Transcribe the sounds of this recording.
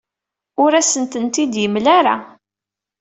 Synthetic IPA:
ʊɾæsənt̪ənt̪id̪jəmlaɾa̰

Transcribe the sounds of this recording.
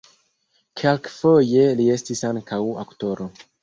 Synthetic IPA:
kʰelkfo̞je̞lie̞stisaŋkawa̰kto̞ɾo̞

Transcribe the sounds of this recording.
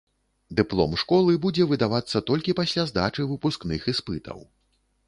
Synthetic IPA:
d̪ɨplˠɔ̰mʂkɔlˠɨbud͡zʲɛvɨd̪avat̪sːɐt̪ɔlʲkʲipasʲlʲazd̪at͡ʂɨvɨpusknɨxispɨt̪ɐ̰w

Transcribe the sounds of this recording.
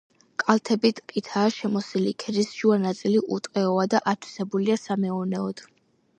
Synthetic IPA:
kʼalˠt̪ʰɛbit̪ʼqʼit̪ʰaːʃɛmɔsilikʰɛɾisʒ̥uanat̪sʼiliʔut̪ʼqʼɛɔad̪aʔat̪ʰwi̥sɛbuliasamɛɔnɛɔd̪̥

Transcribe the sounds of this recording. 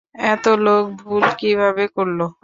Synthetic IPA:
ɛt̪olok̚bʱulkibʱabekoɾlo

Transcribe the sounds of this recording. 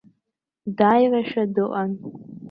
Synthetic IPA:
daːjraʃadɨʔʷʼan

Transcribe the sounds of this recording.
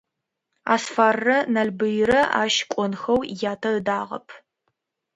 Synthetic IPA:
a̰ːsfaːrːɐnɐlbɨjɾɐʔa̰ːʃkʷʼɔnxɐwjaːtʰɐɨdaːʁɐ̰pʰ

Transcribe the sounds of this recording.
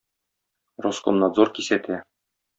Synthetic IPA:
roskomnɑd̪zoɾkisæt̪ʰæ

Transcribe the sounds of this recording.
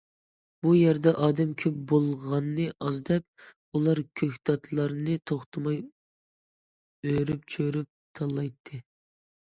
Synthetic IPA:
bujæɾd̪ɛʔɑːd̪ɛmkʲʰøp̚bolˠʁɑnːɨʔɑzd̪ɛp̚ | ulˠɑɾkʲʰøkʲd̪ɑt̪ʰlˠɑɾnɨt̪ʰoχt̪ʰɨmɑj | øɾyp̚t͡ʃʰøɾyp̚t̪ʰɑlˠːɑjt̪ʰːɨ

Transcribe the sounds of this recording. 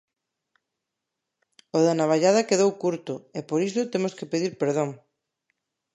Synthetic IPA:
oðanaβaʎað̞akeðowkuɾt̪ʊepoɾisʊt̪emoskepeðiɾpeɾð̞oŋ

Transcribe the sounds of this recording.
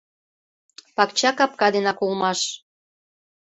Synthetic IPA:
pɑkt͡ɕɑkɑp̚kɑd̪enɑkolmɑʃ

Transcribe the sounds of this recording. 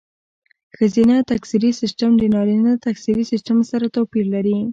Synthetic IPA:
xəzinat̪aksiɾisɪsʈamd̪ənɑɾinat̪aksiɾisɪsʈamsaɾat̪apiɾlaɾi

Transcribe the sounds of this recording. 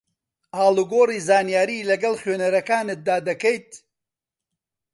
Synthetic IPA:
aːluɡoːriːzaːnijaːɾiːlɐɡɐlˠχɥøːnɐɾɐkaːnɨt̪̚d̪aːd̪ɐkejt̪

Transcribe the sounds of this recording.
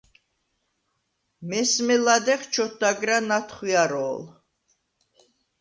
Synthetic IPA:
mɛsmɛlad̪ɛχt͡ʃʰɔt̪̚d̪aɡɾanat̪ʰχiaɾɔːl

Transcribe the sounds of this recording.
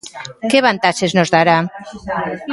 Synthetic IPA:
keβant̪at͡ʃeznozðaɾa

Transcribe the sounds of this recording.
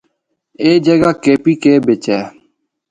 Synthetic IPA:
eːd͡ʒəɡaːkeːpiːkeːbɪt͡ʃɛː

